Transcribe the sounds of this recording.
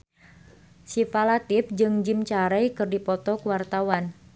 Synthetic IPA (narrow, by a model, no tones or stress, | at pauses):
sifalat̪if̚d͡ʒɨŋd͡ʒimt͡ʃaɾɛjkɨrdipɔt̪ɔkuwart̪awan